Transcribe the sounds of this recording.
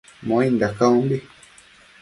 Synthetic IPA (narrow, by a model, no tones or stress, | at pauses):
mõind̪akaũmbi